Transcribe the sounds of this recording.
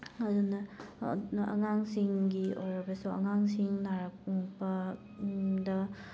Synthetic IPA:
ɐdunɐ | ʔɐ̰ŋaŋsiŋɡiojɾɐbɐsuɐ̰ŋaŋsiŋnaɾɐk̚uŋpɐ | dɐ

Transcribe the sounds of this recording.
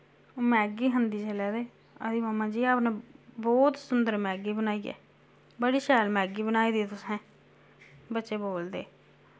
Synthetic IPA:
oːmɛ̃ːɡiːɦənd̪iːt͡ʃəlɛːd̪eː | ə̰d̪iːmaːmãːd͡ʒiːaːpnẽːbɔːt̪sʊnd̪əɾmɛːɡiːbənaːiːɛ̰ː | bəɽiːʃɛːlmɛːɡiːbənaːiːd̪it̪ʊsẽː | bətːʃeːboːld̪ḛː

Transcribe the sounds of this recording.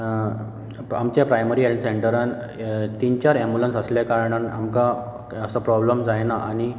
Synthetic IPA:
amt͡ɕjapɾajməɾielʈseɳʈəɾan | t̪int͡ɕaɾɛmbulənsəsljakaɾɳana̰mka | əsəpɾɔbləmd͡zajnaʔañi

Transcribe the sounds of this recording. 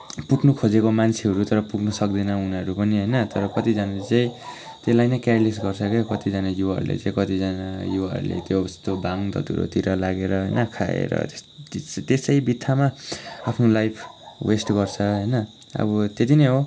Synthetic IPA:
puɡnukʰod͡zekomant͡sʰiɦʌɾut̪ʌɾʌpuɡnʌsʌk̚d̪inʌunʌʌɾupʌniɦʌjnʌt̪ʌɾʌkʌt̪id͡zanat͡saĩ | t̪elajnʌjkarles̬ɡʌrt͡sʰʌkekʌt̪id͡zanajuɦʌ̰ɾṵlḛt͡sãĩkʌt̪id͡zanajuʌ̰ɾṵlḛt̪jost̪obaŋd̪ʌ̰t̪ṵɾo̰t̪iɾʌlaɡeɾʌɦʌjnʌkʰa̰ḛɾʌ̰t̪et̪esʌjbit̪ʰːamaapʰnolajpʰwesʈɡʌrt͡sʰʌɦʌjnʌ | ʌ̰bʌt̪et̪inʌjɦo

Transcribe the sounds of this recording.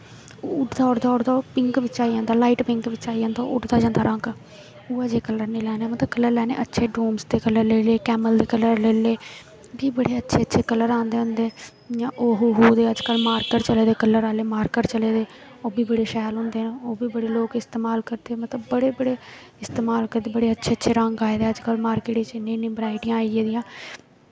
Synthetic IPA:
ʊʈd̪aːʊɽd̪aːʊɽd̪aːpɪŋkʋɪt͡ʃaːiãːnd̪aːlaːiːʈpɪŋkʋɪt͡ʃaːiãːnd̪aːʔʊʈd̪aːd͡ʒãːnd̪aːɾʔə̃ŋɡ | ʊːaːd͡ʒeːkələɾniːlɛːneːmət̪ləbkələɾlɛːnḛːʔətːʃʰeːɖuːmsd̪eːkələɾleːleːkɛːməld̪eːkələɾleːleː | biːbəɽeːətːʃʰeːətːʃʰeːkəlːəɾãːnd̪eːɦʊ̃nd̪eː | jãːʔoːɦuɦuːd̪eːəd͡ʒkəlmaːɾkəʈt͡ʃəleːd̪eːkəlːəɾaːleːmaːɾkəʈt͡ʃəleːd̪eːoːbiːbəɽeːʃɛːlɦʊ̃nd̪eːnoːbiːbəɽeːloːkɪst̪eːmaːlkəɾd̪eːmət̪ləbːəɽeːbəɽeː | ɪst̪eːmaːlkəɾd̪eːbəɽeːətːʃʰeːətːʃʰeːɾə̃ŋɡaːeːd̪eːəd͡ʒkəlmaːɾkeːʈit͡ʃɪnːẽːnĩːbɾaːɪʈɪjãːieːd̪ijãː

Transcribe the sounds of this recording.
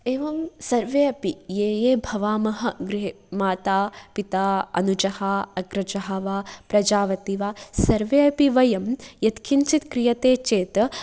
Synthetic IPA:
eːʋɐmsɐɾʋeːɐpijeːjeːbʱɐʋaːmɐɦɐɡɾɪɦe | maːt̪aːpit̪aːɐ̰nud͡ʒɐhaɐɡɾɐd͡ʒɐɦɐʋaːpɾɐd͡ʒaːʋɐt̪iʋaːsɐɾʋeːɐpiʋɐjɐmjɐt̪kʰint͡ʃit̪kɾijɐt̪eːt͡ʃeːt̪

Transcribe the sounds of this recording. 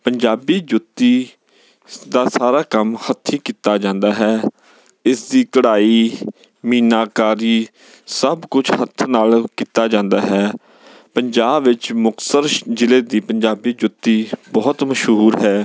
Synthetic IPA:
pəɲd͡ʒaːbiːd͡ʒʊt̪ːiː | d̪aːsaːɾaːkəmhət̪ʰiːkiːt̪aːd͡ʒãːnd̪aːɦɛː | ɪsd̪iːkəɽaːiː | miːnaːkaːɾiː | səbkʊt͡ʃʰhət̪ʰnaːlkiːt̪aːd͡ʒãːnd̪aːɦɛː | pəɲd͡ʒaːbʋɪt͡ʃmʊksəɾd͡ʒɪleːd̪iːpəɲd͡ʒaːbiːd͡ʒʊt̪ːiːbɔːt̪məʃɦuːɾɦɛː

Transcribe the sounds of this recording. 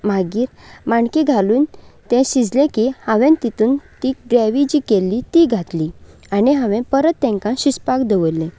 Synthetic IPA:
m̤aɡiːɾmaɳkĩɡʱaluːnt̪ɛ̃ɕid͡zlẽkihãʋẽnt̪it̪uːnt̪iɡɾaʋid͡ʑiːkelːit̪iɡʱat̪li | aniɦãʋẽpəɾət̪ːɛ̃ŋkãɕispakd̪eʋolːẽ

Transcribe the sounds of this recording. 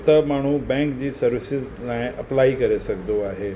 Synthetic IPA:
t̪ɐmaːɳ̤̃ubɛ̃ːŋkd͡ʑiːsɐɾʋɪsɪzlaːɪ̃ʔɐplaːikɐɾesɐkd̪oaːɦeː

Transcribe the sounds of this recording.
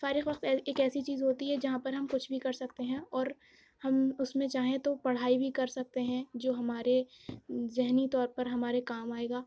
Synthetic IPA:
faːɾɪxʋɐqt̪ɛeːkɛːsit͡ʃiːzɦoːt̪iɦɛd͡ʒɐɦãpɐɾɦɐmkʊt͡ʃʰbʱikɐɾsɐkt̪eɦɛ̃ɔːɾ | hɐmʊsmẽt͡ʃaːɦẽt̪opɐɽ̤aːibʱikɐɾsɐk̚t̪eɦɛ̃d͡ʒoːɦɐmaːɾe | zɪɦnit̪ɔːɾpɐɾɦɐmaːɾekaːmaːeːɡaː

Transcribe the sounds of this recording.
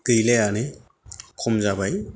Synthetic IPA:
kɯjleane | kʰumzabaj

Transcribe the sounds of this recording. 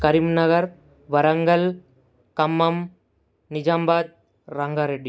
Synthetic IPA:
kɐɾimnɐɣɐɾ | ʋɐɾɐŋɡɐl | kɐmːɐm | nɪd͡ʒaːmbaːd̪̚ | ɾɐŋɡaːɾeɖːi

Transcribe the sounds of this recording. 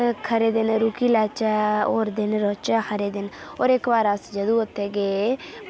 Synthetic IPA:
kʰəɾeːd̪ɪnɾuːkiːlaːt͡ʃaoːɾd̪ɪnɾoːt͡ʃakʰəɾeːd̪ɪnoːɾɪkbaːɾəsd͡ʒəd̪uːʊt̪ʰːeːɡeː

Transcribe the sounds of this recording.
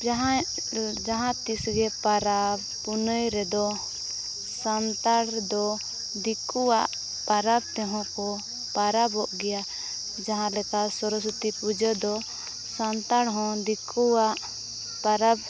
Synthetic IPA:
ɦ | d͡ʒaɦãt̪isɡɛpaɾab | punəjɾɛd̪ɔ | sant̪aɽd̪ɔ | d̪ikuwaʔ | paɾab̚t̪ɛɦɔ̃kɔ | paɾabɔʔɡɛja | d͡ʒaɦãlɛkasɔɾɔs̬ut̪ipud͡ʒəd̪ɔ | sant̪aɽɦɔ̃d̪ikuwaʔ | paɾab

